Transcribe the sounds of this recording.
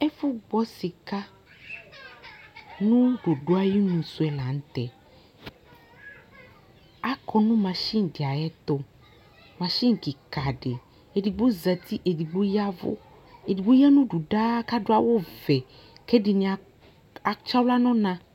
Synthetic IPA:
e˦fu˦ɡ͡bɔ˦si˨ka˦ | nũ˦ɖo˨ɖo˦a˨˦ji˦nũ˨su˦ɛ˨la˨ŋ̩̃˦t̪ɛ˨ | a˨kɔ˨nũ˦mã˨ʃi˦ŋ˨ɖi˨a˨jɛ˦t̪o˦ | mã˨ʃi˦ŋ˨ki˨ka˨ɖe˨ | e˨di˨ɡ͡bo˦zɛ˨t̪i˦ʔe˨di˨ɡ͡bo˦ja˦vo̰˦ | e˨di˨ɡ͡bo˦ja˦nũ˦ɖu˨ɖa˦ka˦ɖo˦a˨wo˦vɛ˨ | kɛ˦ɖi˨nĩ˨a˨ | a˨t͡ʃa˦wla˦nɔ̃˦nã˦

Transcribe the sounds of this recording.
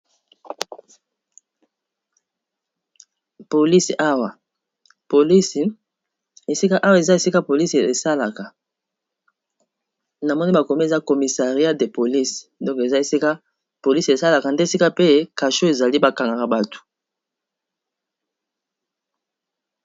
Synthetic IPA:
po˨li˦si˨ʔa˦wa˨ | po˨li˦si˨ | e˨si˦ka˦ʔa˦wa˨e˨za˦e˨si˦ka˦po˨li˦se˨sa˦la˨ka˨ | na˨mɔ˦ni˦ba˨ko˨mi˦e˨za˦ko˨mi˨sa˨ʁi˨˦a˦de˨po˨li˦sdɔ̃˦ŋke˨za˦e˨si˦ka˦ | po˨li˦se˨sa˦la˨ka˨nde˦˨si˦ka˦pe˦ka˨ʃo˦e˨za˨li˦ba˨ka˨ŋɡa˨ka˨ba˨tu̥˨

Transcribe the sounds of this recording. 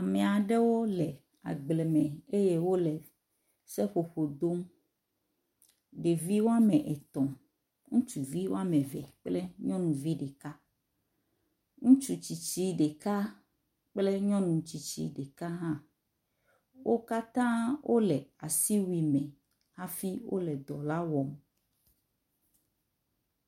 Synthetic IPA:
a˨mɛ̃˨a˨ɖe˦wo˦lɛ˨ | a̰˨ɡ͡ble˨mɛ̃˨e˦je˦wo˦lɛ˨ | sɛ˦ɸo˨ɸo˨d̪o˦m | ɖe˨vi˦wo˦a˦mɛ̃˨ʔɛ˨t̪ɔ̃˨ | ŋũ˦t͡ʃu˨vi˦wo˦a˦mɛ̃˨vɛ̰˨k͡ple˦ɲɔ̃˦nũ˨vi˦ɖe˨ka˦ | ŋũ˦t͡ʃu˨t͡ɕi˨t͡ɕi˦ɖe˨ka˦ | k͡plɛ˦ɲɔ̃˦nũ˨t͡ɕi˨t͡ɕḭ˦ɖe˨ka˦ɦã˦˨ | wʔo˦ka˦t̪ã˦wʔo˦lɛ˨a˨si˦wi˨mɛ̃˨ | ha˦fi˦wʔo̰˦lɛ˨d̪ɔ˨la˦wɔ˨m

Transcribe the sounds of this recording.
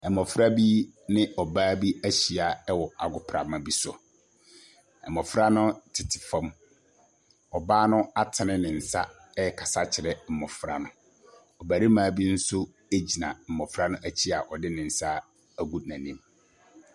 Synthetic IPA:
ɛ˨mɔ˨fɾa˦bi˦ | nɪ̃˦ʔɔ˨baː˦bi˦æ˦ɕi˨a˨ɛ˦wɔ˨a˨ɡʊ˨pʰɾa˨mã˨bi˦sʊ̰˨ | ɛ˨mːɔ̃˨fɾa˦nʊ̃˦tʰɪ˨tʰɪ̥˨fã˦m | ɔ˨baː˦nʊ̃˦a˦tʰɪ˨nɪ̃˦nɪ̃˨n̩˨sa˦ | ɛ˦˨kʰa˨sa˦t͡ɕʰɪ˨ɾɛ˦m̩˨mɔ˨fɾa˦nʊ̃˦ | ɔ˨ba˨ɾi˦mãː˦bi˦n̩˦sʊ˦ | e˦d͡ʑi˨nã̰˨m̩˨mɔ˨fɾa˦nʊ̃˦ʔæ˦t͡ɕʰi˦a˨ʔɔ˨dɪ˦nɪ̃˨n̩˨sa˦ | æ˦˨ɡu˦dnã˨nĩ˦m

